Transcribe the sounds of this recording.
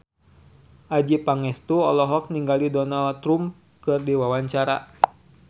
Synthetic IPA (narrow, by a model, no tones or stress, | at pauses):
ʔad͡ʒipaŋɛst̪uɔlɔɦɔk̚niŋɡalidɔnalt̪ɾum | kɨrdiwawaɲt͡ʃaɾa̰